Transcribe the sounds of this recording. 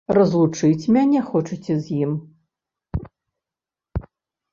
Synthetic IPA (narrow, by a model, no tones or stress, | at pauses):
rɐzlˠut͡ʂɨt͡sʲmʲanʲɛxɔt͡ʂɨt͡sʲɛzʲjim